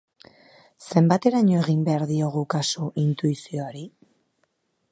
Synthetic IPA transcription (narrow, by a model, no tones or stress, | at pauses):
se̞mbat̪e̞ɾaɲo̞e̞ɣ̞imbe̞aɾðio̞ɣ̞ukasuʔint̪uisio̞aɾi